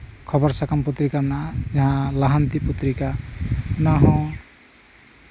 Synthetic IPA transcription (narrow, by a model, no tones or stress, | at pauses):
kʰɔbɔɾsakamput̪ɾikanad͡ʒaɦãlaɦant̪iput̪ɾikaunaɦɔ̃